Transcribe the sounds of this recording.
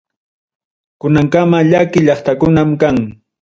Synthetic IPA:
kʊnaŋkamaʎakɪʎɑχt̪akʊnamkaŋ

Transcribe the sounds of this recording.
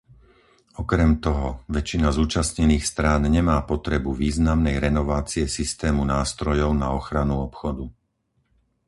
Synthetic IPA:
ɔkɾɛmt̪ɔɦɔʋɛt͡ʃinazuːt͡ʃasɲɛniːxst̪ɾaːnɲɛmaːpɔt̪ɾɛbuʋiːznamnɛjɾɛnɔʋaːt͡siɛsist̪ɛːmunaːst̪ɾɔjɔʊnaɔxɾanuɔpxɔd̪u

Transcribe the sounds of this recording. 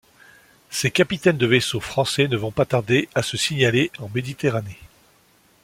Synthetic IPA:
sekapit̪ɛnd̪əvesofχɑ̃sɛnəvɔ̃pat̪aʁd̪easəsiɲaleɑ̃med̪it̪eʁane

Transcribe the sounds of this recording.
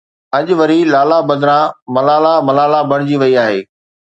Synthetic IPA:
ɐʄʋɐɾilaːlabɐd̪ɪɾãmɐlaːlamɐlaːlabʱɐɽ̃d͡ʑiʋɐiaːɦḛː

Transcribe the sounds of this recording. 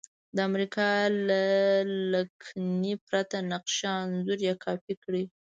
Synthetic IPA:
d̪əamɾikɑlalakʰnipɾat̪anaqʃɑnzuɾjɑkʰɑfikɽi

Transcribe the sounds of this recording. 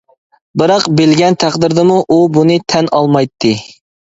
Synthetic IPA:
bɨɾɑqbelɡʲɛnt̪ʰæqd̪ɨɾd̪ɨmuʔubunɨt̪ʰɛnʔɑlˠmɑjt̪ʰːɨ

